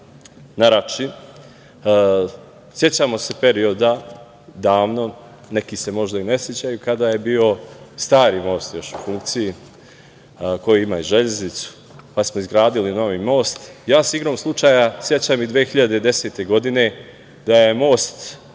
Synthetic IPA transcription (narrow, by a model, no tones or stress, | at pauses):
naɾat͡ʃin | sje̞t͡ɕaːmo̞se̞pe̞ɾio̞d̪a | d̪aːʋno̞ | ne̞kise̞mo̞ʒd̪aine̞sje̞t͡ɕajukad̪aje̞biːo̞st̪aːɾimo̞ːst̪jo̞ʃufuŋkt̪siji | ko̞jiimaiʒeʎeznit̪su̥ | pasmoizɡɾaːd̪ilino̞ʋimo̞ːst̪jaːseiɡɾo̞ːmslˠut͡ʃaːjasje̞t͡ɕamid̪ʋeːxiʎad̪e̞d̪e̞se̞ːt̪e̞ɡo̞d̪ine̞ | d̪aje̞mo̞ːst̪